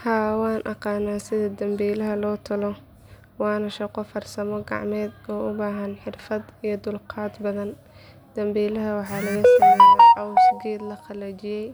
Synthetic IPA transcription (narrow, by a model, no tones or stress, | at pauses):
haːwɑːnʔɑqɑːnaːsɪðɐd̪ɐmbiːlɐɦɐlɔːt̪ʰɐlɔ | wɑːnɐʃɐqɔfɐrsɐmɔɡɑ̰ʕmɛːd̪ɔːʔʊbaːɦɐnħɪrfɐd̪ijɔd̪ʊlqʰɑːd̪bɐðɐn | d̪̥ɐmbiːlɐɦɐwɑħɑːlɐɣɐsɐːmɛɛʕɑwsɡɛːd̪lɐχɑlɐt͡ʃɪjɛj